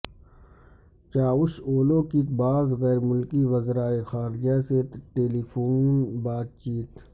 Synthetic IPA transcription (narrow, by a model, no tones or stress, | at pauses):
t͡ʃaːʊʃoːlõkikbaːzɣɛːɾmʊlkiʋɐzɾaːexaːɾd͡ʒaseʈeːlifʰoːnbaːt̪̚t͡ʃiːt̪